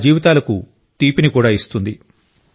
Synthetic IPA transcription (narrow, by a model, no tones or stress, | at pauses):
d͡ʒiːʋit̪aːlɐku | t̪iːpinikuːɽaːist̪und̪i